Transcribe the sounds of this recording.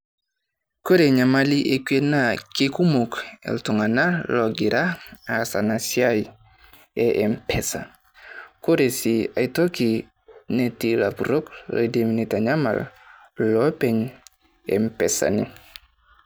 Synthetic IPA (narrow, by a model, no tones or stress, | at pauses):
koɾeɲamaliʔekwenakekumukḛltuŋanaloɡiɾaasanasiaj | eʔempʰesa̰ | koɾesiaitoki | netilapuɾoklḛdeminitaɲama̰l | lopeɲ | ḛmpesa̰ni